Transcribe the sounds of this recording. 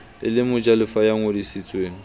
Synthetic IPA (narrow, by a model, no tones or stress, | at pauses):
ɪlɪmʊd͡ʒʼalʊfajaŋodisit͡sʼweːŋ̩